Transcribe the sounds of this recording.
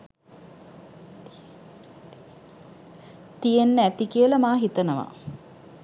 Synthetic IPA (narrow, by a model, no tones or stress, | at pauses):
t̪ijenːəæt̪ikiəlɐmaːɦit̪ənəʋa̰